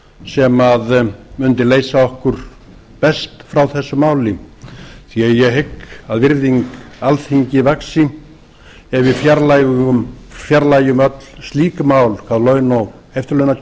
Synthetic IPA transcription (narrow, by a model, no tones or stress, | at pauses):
sɛmaðmʏnt̪ɪleːjsaɔhkʏɾ̥ | pɛst̪fɾawθɛsːʏmaːwlɪ | θiajɛɦɪkːaðvɪɾðiŋkalθhiɲcɪvaksɪ | ɛvɪðfjaɾlajɣʏmfjaɾlaːjʏmœt̪l̥st̪liːkmaːwlkʰaðlœːɥnɔɣejft̪ʏlœɥna